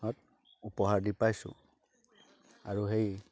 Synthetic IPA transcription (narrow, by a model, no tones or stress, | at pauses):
ɔt̚ | upɔɦaɹdipajsʊ̰̃ | a̰ɹuɦej